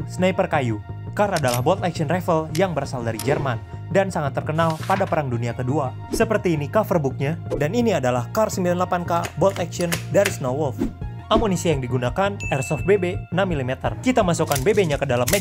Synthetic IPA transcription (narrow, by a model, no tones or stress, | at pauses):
snaipərkajukaradalahbɔlt̪aksiənrɛfəljaŋbəɾasaldaɾid͡ʒɛrman | dansaŋat̪ːərkənalpadapəɾaŋduniakədua | səpərt̪iːnikafərbuk̚ɲadaniniadalahkarsəmbilanlapankabɔlt̪aksiɔndaɾisnɔwɔlf | ʔamonisiajaŋdiɡunakanɛrsɔfbebenamilimɛt̪ərkit̪amasukanbebeɲakədalamɛ